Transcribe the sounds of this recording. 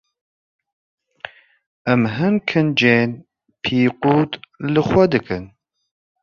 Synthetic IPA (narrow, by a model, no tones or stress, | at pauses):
ɛmɦɨnkʰɨnd͡ʒeːn | pʰiːquːt̪lɨxʷwɛd̪ɨkɨn